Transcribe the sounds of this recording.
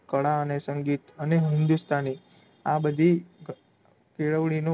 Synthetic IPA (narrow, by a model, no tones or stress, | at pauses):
kəɭaənesəŋɡit̪əneɦɪnd̪ust̪ʰani | abəd̪ʱi | kiɭəʋɽino